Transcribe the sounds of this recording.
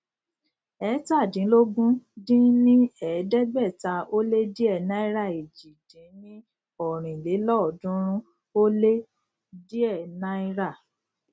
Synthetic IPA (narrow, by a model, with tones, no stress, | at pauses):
ɛ˨˦ta˦˨dĩ˨˦lo˦ɡũ˦dĩ˦nĩ˦ɛ˨˦dɛ˦ɡ͡bɛ˦˨ta˧o˦le˦di˦ɛ˦˨nã˦i˦ɾa˦˨i˨d͡ʒi˨dĩ˨˦nĩ˦ | ɔ˦˨ɾ̃ĩ˨i˨le˨˦lɔ˦ɔ˨dũ˦ɾ̃ũ˦ | o˦le˦ | di˦ɛ˦˨nã˦i˦ɾa˦˨